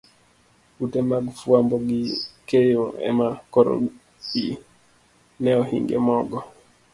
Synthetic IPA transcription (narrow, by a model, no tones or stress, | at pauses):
utɛmaɡfuamboɡikejoɛ̰makɔɾo̰ | ɗi | nɛɔhḭŋɡɛ̰mɔɡɔ